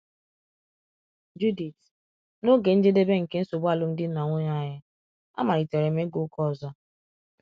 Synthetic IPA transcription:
d͡ʒu˦di˨t | no˦ɡe˨n̩˦d͡ʒe˦de˦be˦ŋ̩˨ke˦n̩˦so˨ba˦˨lʊ˦m̩˦dɪ˦n̩˦na˨ŋʷe˦ɲa˦˨ɲɪ˦ | a̰˦ma˨ɾɪ˨te˨ɾe˨me˦ɡʊ˦kɔ˦˨zɔ˦

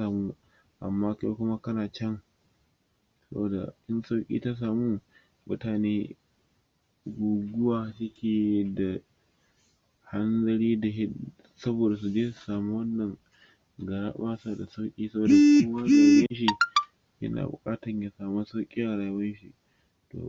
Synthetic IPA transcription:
aː˨muː˦ | ʔa̰˨mːaː˦kːkʷʊ˦ma˦kɐ˦naː˨t͡ʃɛ˦ŋ | sɐ˦bo˨da̰˨ʔɪ˦nsa˦wkʲʼḭː˦ta˦s̬aː˨muː˦ | mʊ˦taː˨neː˦ | ɡʷuː˨ɡʷʊ˦waː˨sʊ˦kʲeː˨˦da˨ | ha˦nzɐ˦ɽiː˦da˨ɦɪ˦ | sɐ˦boː˨da˨s̬u˨d͡ʒeː˦su̥˨saː˨mu˦wɐ˦nːɐ˨ŋ | ɡɐ˨ɾa̰˦ɓaː˦sa˦a˨da˨sa˦wkʲʼiː˦sɐ˦boː˨da˨ʔʊ˦ma˦za˦ja˦jɐ˦nʃ̬i˨ | jɐ̰˦na̰ː˨bʊ̰˨kʼaː˦tɐ˨ɲja˨saː˨ma˦sa˦wkʲʼiː˦ja˨ɾaː˨˦wɐ˦nʃi˦˨ | to̰˨

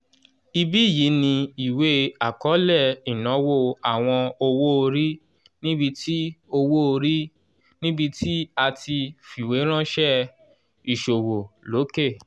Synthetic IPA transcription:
i˧bi˦˨ji˨˦nĩ˧i˨we˦a˨kɔ˨˦lɛ˦˨i˨nɔ̃˨˦wo˦˨a˨w̃ɔ̃˧o˧wo˦o˧ɾi˦ | nĩ˦bi˧ti˦o˧wo˦o˧ɾi˦ | nĩ˦bi˧ti˦a˧tʰi˧fi˨we˨˦ɾ̃ã˦ʃɛ˦ | i˨ʃo˨wo˨lo˨˦ke˦˨

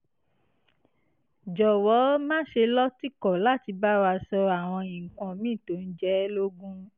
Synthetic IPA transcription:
d͡ʒɔ˨wɔ˨˦mãː˦ʃe˧lɔ˦ti˦kɔ˨la˦˨ti˧ba˦wa˧sɔ˧a˨w̃ɔ̃˧ĩ˨kɔ̃˧mĩ˦˨to˨˦n̩˦d͡ʒɛ˦lo˦ɡũ˦

